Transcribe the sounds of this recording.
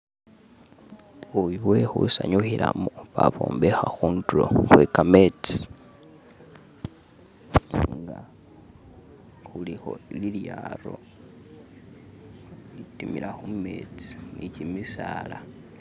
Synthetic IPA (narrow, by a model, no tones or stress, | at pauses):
uwiwe̞xusaɲuxilamoβaβo̰ːmbexaxuːnduɾo̰xwekamet͡si̥ | ŋɡa | xulixo̞liljaɾo̞ | litimilaxumet͡si̥nicimisaːla